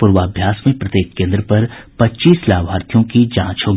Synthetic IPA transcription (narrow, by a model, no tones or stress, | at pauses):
pʊɾwaːbʱjaːsmẽpɾɐt̪eːk̚kẽːnd̪ɾəpɐɾpɐtːʃiːslaːʋaːɾt̪ʰjõkid͡ʒã̰ːt͡ʃɦoːɡ